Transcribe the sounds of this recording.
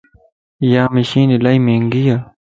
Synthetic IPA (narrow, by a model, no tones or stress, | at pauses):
jaːmiɕiːnilaimeŋɡija